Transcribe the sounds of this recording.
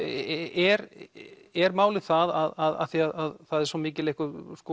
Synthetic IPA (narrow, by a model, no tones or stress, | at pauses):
ɛɾ | ɛɾmaːwlɪ̥θaðaðaða̰θiaðaðθaðɛɾ̥sɔmɪːcɪlehkʏsko